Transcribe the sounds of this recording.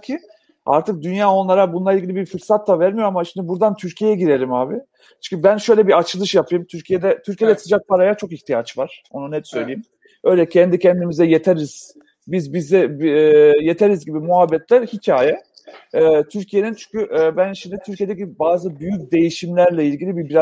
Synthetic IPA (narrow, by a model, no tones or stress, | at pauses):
cʰi | a̰ɾt̪ʰɯk̚d̪ynjaːo̞nlˠaɾabunlˠailʲɟilʲibifɯɾsat̪lˠavæɾmijo̞ɾamaʃimd̪ibuɾd̪ant̪ʰyɾcʰijejɛɟiɾe̞ɾimaːbɪ | t͡ʃʰy̥ɲcʰybænʃø̞jlʲɛbiat͡ʃʰɯlˠɯʃjapʰɯjɯmt̪ʰyɾcʰijed̪ɛt̪ʰyɾcijed̪ɛsɯd͡ʒak̚pʰaɾajat͡ʃʰo̞kiçt̪ʰijat͡ʃvaɾ̥o̞nunɛt̪sø̞jlʲejim | ø̞jlʲɛcʰɛnd̪icʰɛnd̪imizɛjet̪ʰeɾiz̥ | bizbizd̪ɛ | jet̪ʰeɾizɟibimuɦabːɛt̪lʲæɾhicʰaːjɛ | ɛːt̪ʰyɾcʰije̞nint͡ʃʰy̥ɲcyʔːbænʃimd̪it̪ʰyɾcʰije̞d̪ɛcibaːzɯbyjyc̚d̪e̞jiʃimlʲæɾlʲɛilʲɟilʲibibiɾa